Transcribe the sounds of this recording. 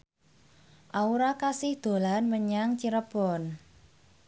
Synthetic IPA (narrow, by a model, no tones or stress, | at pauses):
ʔauɾakasɪhd̪̥o̤lanməɲaŋt͡ʃiɾəpɔn